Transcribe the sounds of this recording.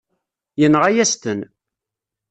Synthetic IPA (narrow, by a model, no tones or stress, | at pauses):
jənʁæjæst̪ən